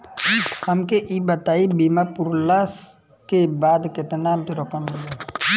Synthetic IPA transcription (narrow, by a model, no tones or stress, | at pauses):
həmkeʔiːbət̪aːibiːmapʊɾlas | kebaːd̪ket̪ənaːmt̪iɾɔkəmmɪle